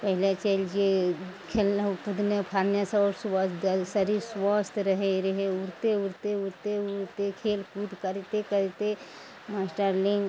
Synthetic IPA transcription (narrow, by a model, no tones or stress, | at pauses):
pəɦɪlat͡ʃəld͡ʒekʰelnpud̪nepʰaɾnjasaɔːɾsʋəsd̪sɐɾisʋɔst̪ʰɾəɦeɾɐɦeuɾt̪euɾt̪euɾt̪euɾt̪ekʰeːlkud̪kɐɾt̪ekəɾt̪e | masʈəɾliŋɡ